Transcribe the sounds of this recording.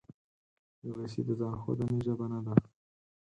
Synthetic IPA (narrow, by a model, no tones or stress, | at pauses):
jəwesḭd̪əzɑːnxo̰d̪aniʒabanad̪a